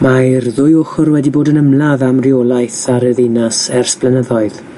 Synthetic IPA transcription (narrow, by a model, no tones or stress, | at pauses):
majrðʊjʊχɔrwɛdiboːdənəmlˠaðamrijolˠajθaɾəðɪnasɛrsb̥lɛnəðɔɨð